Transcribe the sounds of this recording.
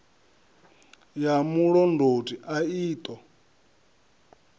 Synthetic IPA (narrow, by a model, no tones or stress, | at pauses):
jamuɺɔndʱotʼiʔaiːt̪ʼɔ